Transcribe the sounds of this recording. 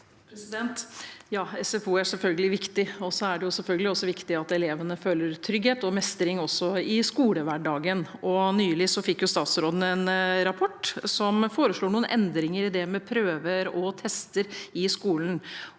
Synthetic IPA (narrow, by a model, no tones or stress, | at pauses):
pʰɾɛsɪd̪ɛnt̪jɑːɛsɛfuːæsɛlfœlɡəlɪʋɪkt̪ɪɔsɔæɖɛjʊsɛlfœlɡəlɪɔsːɔʋɪkt̪ɪɑt̪ɛleːʋənəfølːəɾt̪ʰɾʏɡheːt̪ɔmɛst̪əɾɪŋɔsːɔɪskuːləʋæɖɑːɡənɔnyːlɪsɔfɪkːjʊst̪ɑːt̪sɾoːd̪ənəɛnəɾɑpʰɔʈːsɔmfoːɾəʂɭuːɳuːənʔɛnd̪ɾɪŋəɾɪd̪ɛmɛpʰɾøːʋəɾɔt̪ʰɛst̪əɾɪskuːln̩